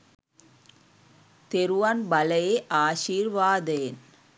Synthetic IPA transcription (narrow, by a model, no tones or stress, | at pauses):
t̪ɛɾɯʋanbɐlɐjeʔaːʂiːɾʋaːd̪eːn